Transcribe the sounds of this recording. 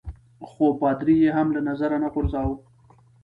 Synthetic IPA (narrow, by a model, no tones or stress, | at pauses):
xobɑd̪ɾijeɦamlanazaɾanaɣʊɾzɑw